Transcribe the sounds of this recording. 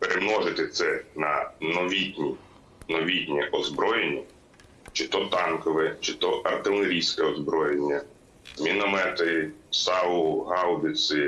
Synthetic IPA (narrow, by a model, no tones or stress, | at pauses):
peɾʔemnɔʒɪt̪ɪt̪sɛnɐ̰nɔʋʲit̪ʲnʲi | nɔʋʲit̪ʲnʲɛʔɔzbɾɔjenʲːɐ | t͡ʃɪt̪ɔt̪ɑnkɔʋɛt͡ʃɪt̪ɔʔɐrt̪ɪlˠeɾʲijsʲkɛɔzbɾɔjenʲːɐ | mʲinɔmɛt̪ɪsɑʊɦɑwd̪ɪsɪ